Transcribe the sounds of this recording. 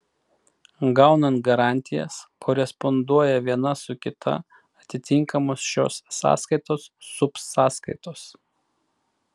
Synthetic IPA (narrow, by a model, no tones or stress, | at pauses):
ɡɑʊnɐnt̪ɡɐɾɑˑnʲt̪ʲɪjɛ̰skʰɔɾʲɛspɔnd̪uɔjɛʋʲiɛnɐsʊkʲɪt̪ʰɐ̰ | ɐt̪ʲɪt̪ʲɪŋˑkɐmoːsʃʲo̰ːsːɑ̰ːskɐɪt̪oːsːʊpsːɑːskɐɪt̪oːs